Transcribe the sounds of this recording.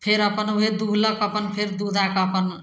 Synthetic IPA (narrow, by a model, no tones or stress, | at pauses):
pʰeɾʌpʌnued̪uɦlʌkʌpʌnpʰeɾd̪ud̪akʌpʌn